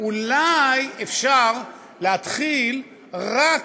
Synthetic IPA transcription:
ulajefʃaʁ | lehat̪χil | ʁak

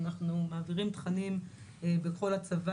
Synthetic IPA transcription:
naχnumaːviʁimt̪χanimebeko̞lat͡sava

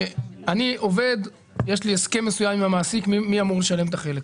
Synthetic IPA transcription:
aniʔo̞ve̞d̪ | jeʃlieske̞mːesujamimamaːsikmimiamuʁleʃale̞mt̪aχe̞le̞k

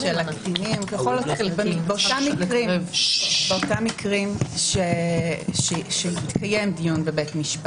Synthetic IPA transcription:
ʃelaktinimkeχolotbebeotamːikʁim | b̥eotamːikʁimʃeʃeʃeit̪kʰaje̞mdijunbebetmiʃp

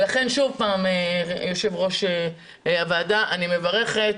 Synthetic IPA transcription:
laχe̞nʃuvpaːmejoʃe̞vʁo̞ʃe | avaːd̪aʔanime̞vaʁe̞χet̪

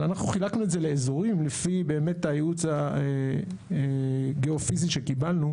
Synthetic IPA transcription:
lanaχnuχilaknuedzele̞ːzo̞ʁimlefibe̞ːme̞tːajeut͡sae | ɡeofiziʃekibalnu

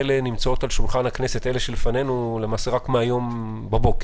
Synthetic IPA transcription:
le̞nimt͡sao̞talʃulχanhakne̞sete̞leʃelfane̞nule̞maːse̞ʁakmeajo̞m | babo̞ke

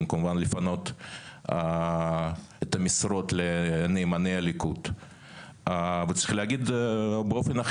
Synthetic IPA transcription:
mkamuvanlifano̞t̪a | et̪amisɾo̞t̪leneːmanejalikut̪ | vet͡s̪i̥xileaɡid̪beofena

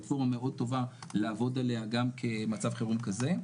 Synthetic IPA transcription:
tfo̞ʁmameʔo̞d̚t̪o̞valaːvo̞deleaɡamkʰemat͡savχeʁumkaze̞

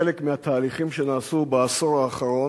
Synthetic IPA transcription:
elekmehat̪ʰaːliχimʃenaːsubaasoʁaːχaʁo̞

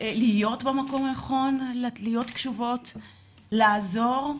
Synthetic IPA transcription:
lijo̞tbemako̞majaχo̞nllijo̞tkʃuvo̞t | laːzo̞ʁ

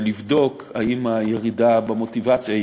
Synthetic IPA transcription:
livdo̞kaimajeʁidabemo̞tivat͡sja

